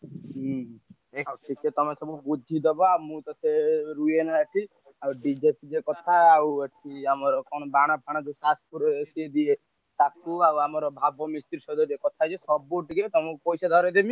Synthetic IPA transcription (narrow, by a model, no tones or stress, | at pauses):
aʈʰiket̪ɔmesɔbubud͡ʒʱid̪ɔbɔaumũt̪ɔseɾuenaəʈʰi | awɖid͡ʒepid͡ʒekɔt̪ʰaːuəʈʰiamɔɾɔkɔñɔbaɽ̃ɔp̚ʰaɽ̃ad͡ʒ̪usaspuɾɔesied̪ie | t̪akuawamɔɾɔbʱabɔmist̪iɾsɔd̪ɔd͡ʒekɔt̪ʰad͡ʒesɔbuʈiket̪ɔmupɔjsad̪ʱɔɾed̪emi